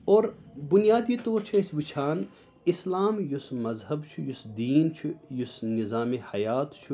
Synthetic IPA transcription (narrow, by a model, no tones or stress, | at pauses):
oːɾbʊnijaːd̪it̪oːɾt͡ʃʰɐɪsʋit͡ʃʰaːn | ɪslaːmjusmɐzɦɐbt͡ʃʰujusd̪iːnt͡ʃʰujʊsnɪzaːmehɐjaːt̪t͡ʃʰu